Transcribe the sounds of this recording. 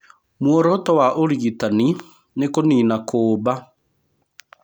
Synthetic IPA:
mwɔɾɔtɔwaʔoɾiitani | nekoniːnakʰoːba

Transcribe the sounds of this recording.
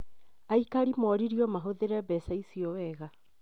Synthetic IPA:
aikaɾimɔɾiɾiɔmaɦoðeɾɛbɛsaisiɔwɛɣa

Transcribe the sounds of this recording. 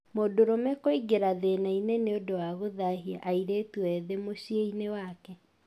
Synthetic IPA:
modoɾomɛkoiɡeɾaðenaineneodowaɣoðaɦiaʔaiɾetwɛðemoɕieinewakɛ

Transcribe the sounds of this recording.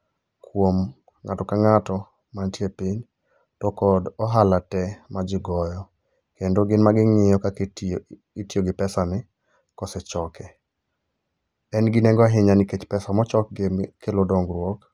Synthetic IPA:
kwom | ŋatɔkaŋatɔ | mantjepiɲ | tɔkɔdɔɦalatɛmad͡ʒɪɡɔjɔ | kendoɡɪnmaɡɪŋɪjɔka | itioɡɪpɛsanɪ | kɔsɛt͡ʃɔkʰɛ | ɛnɡɪnɛŋɡɔaɦɪɲaniket͡ʃpɛsamɔt͡ʃɔk̚ɡkelodɔŋɡɾwok

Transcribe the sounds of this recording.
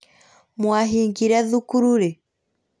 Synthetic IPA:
mwaɦiŋɡiɾaðukuɾuɾɛ

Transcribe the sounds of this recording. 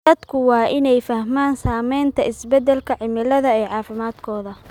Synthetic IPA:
dɐd̪kʰʊwɑːʔɪnɛjfɐhmaːnsaːmɛjnt̪ʰɐɪsbɛd̪ɛlkʰɐʕɪmɪlɐðɐɛːʕɑːfɪmaːd̪kʰɔːðɐ

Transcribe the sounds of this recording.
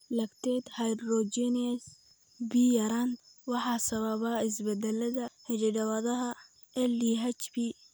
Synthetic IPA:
lɐkt̪ʰɛd̪hɐjdrɔt͡ʃɛnɪɐs | bijɐɾand̪wɑħɑːsɐβɐβaɪsbɛd̪ɛlɐðɐhɛɾɪɖɐwɐðɐɦɐ | ʔɛliɦɐt͡ʃbi

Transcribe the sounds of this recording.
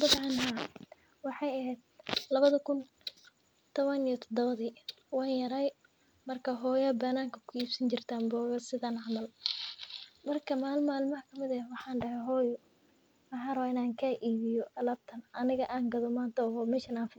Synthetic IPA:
bɐbʕɑnɦɐ | wɑħɑjɐɦɛːd̪̥̚lɐβɐðɐkʰʊn | t̪ʰɔβɐnijɔt̪ʰɔd̪ɔβɐðiː | wɑːnjɐɾɐj | mɐrkʰɐɦɔːjɐbɐnaːŋkʰɐkʰʊiːbsɐɲt͡ʃɪrt̪ʰaːmbɔːɣɐsɪðɐnhɑmɐl | mɐrkʰɐmaːlmaːlmɐɦɐkʰɐmɪðɐwɑħɑːnɖɐɦɛjɦɔːjɔ | mɑħɑːrɐβaːɪnaːŋkʰaːʔiːβɪjɔɐlaːb̚t̪ʰɐnʔɐnɪɣɐʔaːŋɡɐðɔmaːnt̪ʰɐɔɔmɛːʃɐnaːnfɪ

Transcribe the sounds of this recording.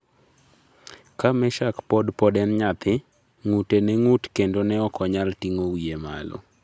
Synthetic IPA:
kamɛʃakpɔdpɔdɛnɲat̪ɪ | ŋutenɛŋutkendonɛɔkɔɲaltiŋowiema̰lɔ̰

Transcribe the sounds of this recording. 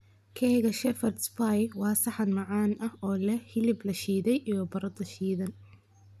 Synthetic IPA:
kʰɛɣɐʃɛfɐrd̪spajwɑːsɐħɑd̪mɑʕaːnɐhɔːlɐhɪlɪblɐʃiːðɛjʔijɔbɐɾɐd̪ɐʃiːðɐn

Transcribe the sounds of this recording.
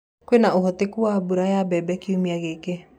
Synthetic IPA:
kwenaoɦɔtekuabuɾajabɛbɛkiumiaɣeke

